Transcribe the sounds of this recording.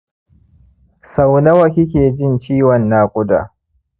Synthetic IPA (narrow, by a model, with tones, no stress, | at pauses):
sa˨wnɐ˦wɐ˨kʲɪ˦kʲeː˨d͡ʒɪ˦nt͡ʃiː˦wɐ˨nːaː˦kʷʼʊ˦da̰ː˨